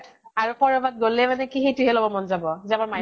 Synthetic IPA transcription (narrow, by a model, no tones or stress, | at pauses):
aɹupɔɹɔbat̚ɡolːɛmanɛkixetuɦɛlɔbɔmɔnzabɔzɛamaɹma